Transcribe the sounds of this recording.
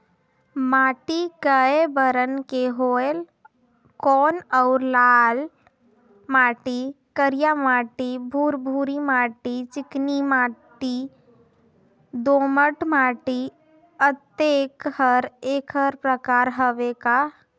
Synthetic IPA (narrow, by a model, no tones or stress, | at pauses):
maːʈiɡəebəɾənkeɦoːel | kɔːnɔʊɾlaːl | maːʈi | kəɾijamaːʈibʱuːɾbʱuːɾimaːʈit͡ʃɪknimaːʈi | d̪oːməʈmaːʈi | ət̪eːkhəɾeːkɦəɾpɾəkaːɾɦəʋeka